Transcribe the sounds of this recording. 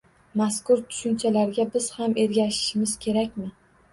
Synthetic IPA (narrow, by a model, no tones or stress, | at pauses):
maskʊɾt̪ʰʊ̥ʃʊnt͡ʃʰalaɾɡʲabɪz̥hame̞ɾɡʲaʃɪ̥ʃɪmɪz̥kʲʰe̞ɾakʲmɪ